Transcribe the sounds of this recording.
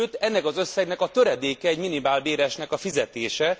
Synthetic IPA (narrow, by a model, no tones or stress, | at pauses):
øt̪ːɛnːɛkɒzø̞sːɛɡnɛkɒt̪ø̞ɾɛd̪eːkɛːɟminibaːlbeːɾɛʃnɛkɒfizɛt̪eːʃɛ